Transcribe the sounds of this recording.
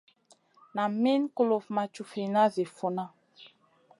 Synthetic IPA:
na˨mi˦nko˨lo˨fma˨t͡ʃu˨fi˨na˦zi˨fo˨na˦

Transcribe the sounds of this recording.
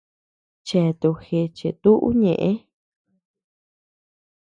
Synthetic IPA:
t͡ʃe˨t̪u˨˧xe˧t͡ʃe˨t̪u˦ʔṵ˦ɲẽ˨ʔẽ˦

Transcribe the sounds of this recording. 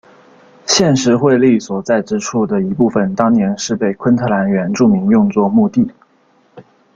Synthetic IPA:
ɕjɛ˥˧nʂɻ̩˧˥xwe˥˧ɪli˥˩swɔ˨˩t͡sa˥˩ɪʈ͡ʂɻ̩˥ʈ͡ʂʰu˥˩d̪ə˩i˧˥pu˥˩fə˩nt̪ɑ˥ŋnjɛ˧˥nʂɻ̩˥˧pe˥˩ɪkʰwə˥nt̪ʰɤ˥˧˩la˧˥nɥɛ˧˥nʈ͡ʂu˥˩mi˧˥ŋjʊ˥˧ŋt͡swɔ˥˧mu˥˧t̪i˥˩

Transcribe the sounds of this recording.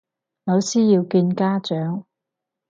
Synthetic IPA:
nɐ˨˧wsiː˥jiː˧wkiː˧nkaː˥t͡ʃœː˨˥ŋ

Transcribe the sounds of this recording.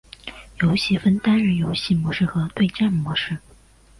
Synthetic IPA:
jo˧˥ʊɕi˧˥fə˥nt̪a˥nɻə˥˩njo˧˥ʊɕi˥˩mwɔ˧˥ʂɻ̩˥˩xɤ˧˥t̪we˥˧ɪʈ͡ʂa˥˩nmwɔ˧˥ʂɻ̩˥˩

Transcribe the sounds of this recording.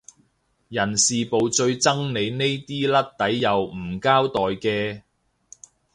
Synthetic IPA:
jɐ˨˩nsiː˨po˨˧wt͡sɵ˧ɥt͡sɐ˥ŋne˨˧jne˥jt̪iː˥lɐ˥t̚t̪ɐ˨˥jːɐ˨wm̩˨˩kaː˥wt̪ɔː˨jkɛː˧

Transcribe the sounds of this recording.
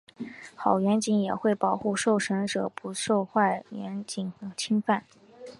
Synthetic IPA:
xɑ˨˩ʊɥɛ˧˥nt͡ɕi˧˥njɛ˨˩xwe˥˩ɪpɑ˨˩ʊxu˥˧ʂo˥˩ʊʂə˧˥ŋʈ͡ʂɤ˨˩pu˧˥ʂo˥˧ʊxwa˥˩ɪɥɛ˧˥nt͡ɕi˨˩nɤ˧˥t͡ɕʰi˥ŋfa˥˩n

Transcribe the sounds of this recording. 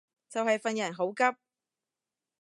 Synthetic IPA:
t͡sɐ˨whɐ˨jfɐ˨njɐ˨˩nɦo˨˥wkɐ˥p̚

